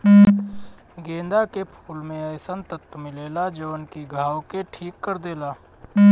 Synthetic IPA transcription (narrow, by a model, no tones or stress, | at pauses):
ɡẽːnd̪akepʰuːlmẽəːsənt̪ət̪ːəmɪleːlad͡ʒəʋənkiɡʱaːwkeʈʰiːkːəɾd̪eːlaː